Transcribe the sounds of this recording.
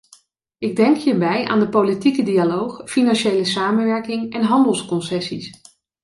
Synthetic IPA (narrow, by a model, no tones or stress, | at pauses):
ɪɡ̚dɛŋkɦiːɹbɛja̰ːndəpowlitikədialowχfinɑnʃejləsaːmənʋɛɹkɪŋɛnɦɑndəlˠskɔnsɛsis